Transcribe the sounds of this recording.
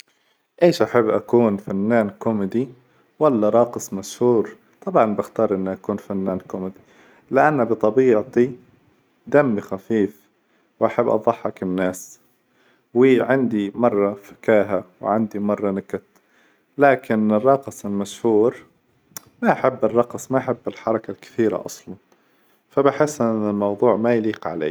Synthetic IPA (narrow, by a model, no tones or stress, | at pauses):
ʔeːʃʔaħabːʔakuːnfanːaːnkʊmɪd̪i | walːaɾˤɑːqɨsˤmaʃhuːɾ | t̪ˤɑbʕɑnbɪxt̪ɑːɾˤʔɪnːʔakuːnfanːaːnkʊmɪd̪i | lɪʔanːabɨt̪ˤɑbiːʕt̪i | d̪amːixafiːf | wʔaħabːʔɑ̰ðˤɑħːɑkɪnːaːs | wiːʕand̪imɑrˤːɑfɪ̥kaːɦawʕand̪imɑrˤːɑnɪkat̪ | laːkɪnɪrˤːɑqɑsˤɪlmaʃhuːɾ | maʔaħabːɪrˤːɑqsˤmaʔaħɪbːɪlħɑɾˤɑkalkɪ̥θiːɾa̰ʔɑ̰sˤlɑn | fabɪħɪsːʔɪnːɪlmɑwðˤuːʕmajliːqʕa̰lḛː